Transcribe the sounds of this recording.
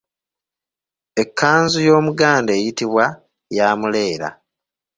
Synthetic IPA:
e̞kːaːnzujo̞ːmuɡaːndeːjitiβwa | jaːmule̞ːɾa̰

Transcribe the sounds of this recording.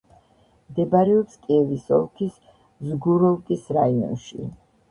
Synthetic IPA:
md̪ɛbaɾɛɔpskʼiɛvisɔ̰lˠkʰis | zɡuɾɔlˠkʼisɾaiɔ̰nʃḭ

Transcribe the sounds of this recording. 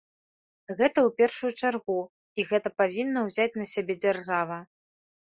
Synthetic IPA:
ɣɛt̪ɐwpʲɛrʂujut͡ʂarɣu | iɣɛt̪ɐpavʲinːɐwzʲat͡sʲnɐsʲabʲɛd͡zʲarʐavɐ

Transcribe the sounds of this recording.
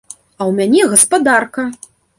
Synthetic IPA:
ɐwmʲanʲɛɣɐspad̪arkɐ

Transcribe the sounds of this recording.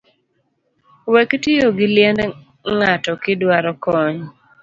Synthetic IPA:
wektɪoɡɪljɛnd | ŋatɔkɪdwaɾɔkɔɲ

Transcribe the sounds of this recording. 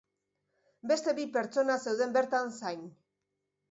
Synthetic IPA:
be̞st̪e̞βipe̞ɾt͡so̞nase̞wð̞e̞mbe̞ɾt̪ansajn

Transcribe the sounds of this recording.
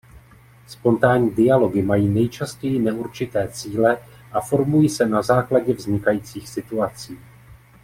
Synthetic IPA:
spo̞nt̪aːɲiːdɪalo̞ɡɪmajiːnɛjt͡ʃascɛjɪnɛuɾt͡ʃɪt̪ɛːt͡siːlɛ | ʔafo̞ɾmujiːsɛnazaːklaɟɛvzɲɪkajiːt͡siːxsɪt̪uat͡siː

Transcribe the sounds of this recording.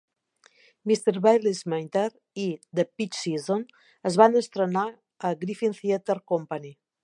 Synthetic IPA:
mist̪eɾβajlizment̪eɾ | id̪əpit͡ʃsizon | əzβanəst̪ɾəna | əɣɾifinθiət̪eɾkompani

